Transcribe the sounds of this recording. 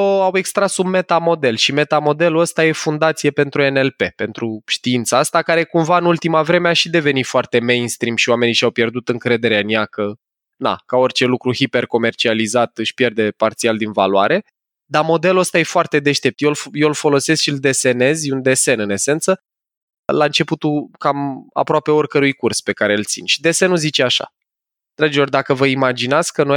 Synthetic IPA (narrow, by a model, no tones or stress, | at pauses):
awe̞kst̪ɾasubme̞t̪amo̞d̪e̞lʃime̞t̪amo̞d̪e̞luəst̪aje̞fund̪at̪sije̞pe̞nt̪ɾue̞nelpe̞pe̞nt̪ɾuʃt̪iint̪saast̪akaɾe̞kumvaɨnult̪imavɾe̞meaʃid̪e̞ve̞nit̪foart̪e̞me̞jnst̪ɾimʃiowame̞niʃiawpje̞rd̪ut̪ɨŋkɾe̞d̪e̞ɾeɨnjakə | na̰kao̞rt͡ʃe̞lukɾuhipe̞rko̞me̞rt͡ʃializat̪ɨʃpje̞rd̪e̞part̪siald̪invalwaɾe̞ | d̪amo̞d̪e̞luəst̪aje̞foart̪e̞d̪e̞ʃt̪e̞p̚t̪jelfjelfo̞lo̞se̞skʃild̪e̞se̞ne̞zund̪e̞se̞nɨne̞se̞nt̪sə | laɨnt͡ʃe̞put̪ukama̰pɾoape̞o̞rkəɾujkurspe̞kaɾe̞ɨlt̪sḭnʲʃid̪e̞se̞nuzit͡ʃeaʃa̰ | nd̪ɾad͡ʒilo̞rʲd̪akəvəimad͡ʒinat̪sʲkəno